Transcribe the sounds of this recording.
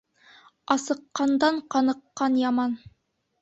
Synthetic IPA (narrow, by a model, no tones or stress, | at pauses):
ɑsɤ̆qːɑnd̪ɑɴqɑnɤ̆qːɑnjɑmɑn